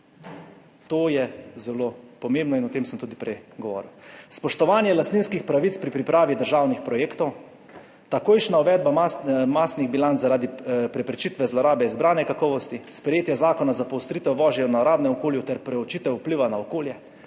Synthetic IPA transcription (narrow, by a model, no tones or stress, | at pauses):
t̪oːjɛzɛlopɔmẽːmbnɔinɔt̪eːmsəmt̪uːd̪ipɾɛjɡɔʋɔ̰ːɾiwspɔʃt̪ɔʋaːnjɛlast̪niːnskixpɾaʋit̪t͡s̪pɾipɾipɾaːʋid̪əɾʒaːwnixpɾɔjeːkt̪ɔw | t̪akoːjʃnauʋɛd̪bamasniɣbilant̪zaɾaːd̪ipɾɛpɾɛt͡ʃit̪ʋɛzlɔɾaːbɛizbɾaːnɛkakɔːʋɔst̪ispɾɛjeːt̪jazaːkɔnazapɔwst̪ɾit̪ɛwʋɔːʒjɛwnaɔɾaːd̪nɛmɔkoːljut̪ɛɾpɾɛɔt͡ʃit̪ɛupliʋanaɔkoːljɛ